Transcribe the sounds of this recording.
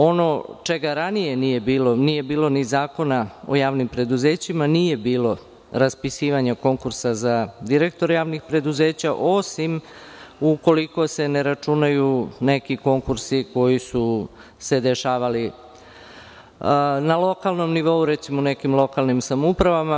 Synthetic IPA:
o̞no̞t͡ʃeɡaɾanije̞nije̞biːlo̞nije̞biːlo̞nizaːko̞nao̞̰jaːʋnimpɾe̞d̪uze̞ːt͡ɕimanije̞biːlˠo̞ | ɾaspisiːʋaɲako̞ŋkuɾsazad̪iɾe̞k̚t̪o̞ɾjaːʋnixpɾe̞d̪uze̞ːt͡ɕaʔo̞sim | uko̞liko̞se̞ne̞ɾat͡ʂunajune̞kiko̞ŋkuɾsiko̞jisu | se̞d̪e̞ʃaːʋali | nalˠo̞kalˠno̞mniʋo̞uɾet̪simone̞kimlˠo̞kalˠnimsamupɾaʋama

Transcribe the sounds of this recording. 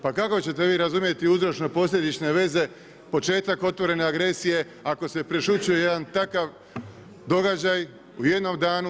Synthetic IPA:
pakakot͡ɕe̞t̪e̞ʋiːɾazumje̞t̪iuzɾo̞t͡ʃno̞po̞s̬ʎʲed̪it͡ʃne̞ʋe̞ze̞ | po̞t͡ʃe̞ːt̪ako̞t̪ʋo̞ɾe̞ne̞aɡɾe̞sije̞ | ako̞se̞pɾeʃut͡ɕujeje̞d̪ant̪akaʋ | d̪o̞ɡad͡ʑaj | uje̞d̪no̞md̪aːnu

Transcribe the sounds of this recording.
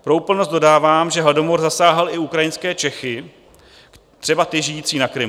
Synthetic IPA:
pɾoupl̩nost̪̚do̞daːvaːmʒɛɦlado̞moɾzasaːɦɛlɪukɾajɪnskɛːt͡ʃɛxɪ | t̪r̥ɛbat̪ɪʒɪjiːt͡siːnakɾɪm

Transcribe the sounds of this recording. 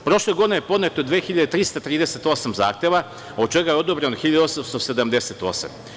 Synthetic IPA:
pɾo̞ʃleɡd̪inejepo̞d̪net̪od̪ʋeːxiʎad̪et̪ɾist̪at̪ɾiːd̪eset̪o̞samza̰ːxt̪jeʋa | o̞d̪̚t͡ʃeɡajeod̪obɾenoxiʎad̪o̞samst̪o̞sed̪amd̪eset̪o̞̰sa̰m

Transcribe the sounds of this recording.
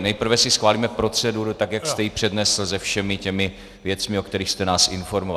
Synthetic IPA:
nɛjpr̩vɛsɪsxvaːliːmɛpɾo̞t͡sɛduɾut̪akjakst̪ɛjɪpr̝̥ɛdnɛsl̩zɛfʃɛmɪcɛmɪ | vjɛt͡smɪokt̪ɛɾiːxst̪ɛnaːsʔɪnfo̞ɾmov

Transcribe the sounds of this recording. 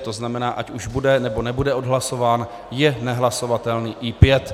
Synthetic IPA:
t̪o̞znamɛnaːʔacuʒbudɛnɛbo̞nɛbudɛo̞dɦlaso̞vaːn | jɛnɛɦlaso̞vat̪ɛlniːʔipjɛt̪

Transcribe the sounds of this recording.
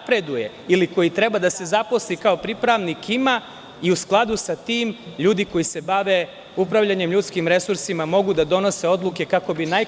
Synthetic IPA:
pɾe̞d̪uje̞ | iliko̞jit̪ɾe̞bad̪ase̞zapo̞slikaopɾipɾaʋnikʰima | iusklˠad̪usat̪iːmʎuːd̪iko̞jise̞baʋe̞ | upɾaʋʎaɲe̞mʎut̪skimɾe̞suɾsimamo̞ɡud̪ad̪o̞no̞se̞o̞d̪luke̞kako̞binaj

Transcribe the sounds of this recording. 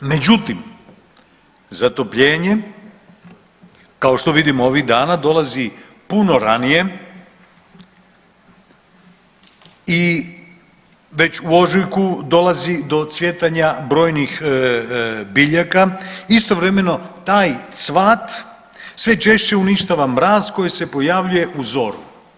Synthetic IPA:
me̞d͡ʑut̪im | zat̪o̞pʎe̞ːɲe̞ | kao̞ʃt̪o̞ʋid̪imoʋiɣd̪aːnad̪o̞lazi | puno̞ɾanije̞ | i | ʋe̞t͡ɕuo̞ʒujkud̪o̞lˠazid̪o̞t̪sʋje̞t̪aɲabɾo̞ːjnix | biʎakaist̪o̞ʋɾe̞me̞no̞t̪aːjt̪sʋaːt̪ | sʋe̞t͡ʃe̞ʃt͡ɕe̞uniʃt̪aʋamɾaːzko̞jise̞po̞jaʋʎuje̞ʔuzo̞ɾu

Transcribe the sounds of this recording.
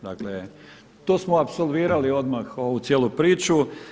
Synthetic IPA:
d̪akle | t̪osmoapso̞lˠʋiːɾalio̞d̪maxoʋusjeːlupɾiːt͡ʃu

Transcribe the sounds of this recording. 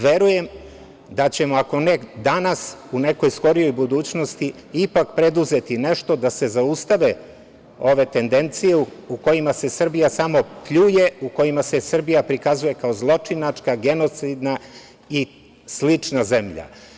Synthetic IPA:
ʋe̞ɾuje̞m | d̪at͡ɕe̞mo̞ako̞ned̪anasune̞ko̞jsko̞ɾijo̞jbud̪uːt͡ɕno̞st̪i | ipakpɾe̞d̪uze̞t̪ine̞ʃt̪o̞d̪ase̞zaust̪aʋe̞ | o̞ʋe̞t̪e̞nd̪e̞nt̪sije̞uuko̞jimase̞sr̩bijasamo̞pʎuje̞uko̞jimase̞sr̩bijapɾikazuje̞kao̞zlˠo̞t͡ʂinat͡ʂkaɡe̞no̞t̪sid̪na | i | slit͡ʂnaze̞mʎa̰

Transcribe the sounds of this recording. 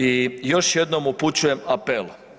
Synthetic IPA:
ijo̞ʃjed̪no̞muput͡ɕuje̞mapel

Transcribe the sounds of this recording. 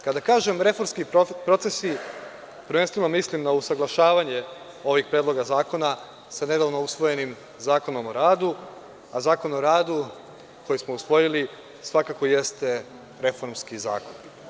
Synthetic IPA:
kad̪akaːʒe̞mɾe̞fo̞ɾmskipɾo̞t̪se̞si | pɾʋenst̪ʋe̞no̞mislimnausaɡlˠaʃaːʋaɲe̞ | o̞ʋiɡpɾeːd̪lˠo̞ɡazaːko̞na | sane̞d̪aːʋno̞usʋo̞je̞nim | zaːko̞no̞mo̞ɾaːd̪u | azaːko̞no̞ɾaːd̪u | kʰo̞jismousʋo̞jili | sʋakako̞je̞st̪e̞ | ɾe̞fo̞ɾmskiza̰ːko̞n

